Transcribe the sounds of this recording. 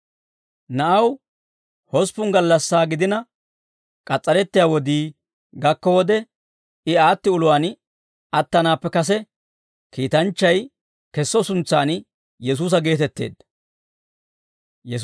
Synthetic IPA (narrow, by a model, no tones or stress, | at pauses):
nɐʔɐw | hɔspʊŋɡɐlːɐsːaːɡɪd̪ɪnɐ | kʼɐt͡sʼːɐɾɛt̪ːɪjaːwɔd̪iː | ɡɐkːɔwɔd̪ɛ | ɪaːt̪ːɪʊlʊwaːn | ɐt̪ːɐnaːpːɛkɐs̬ɛ | kiːt̪ɐnt͡ʃːɐj | kɛsːɔsʊnt͡sːaːn | jɛs̬uːs̬ɐɡe̞ːt̪ɛt̪ːḛːd̪ːɐ | jɛ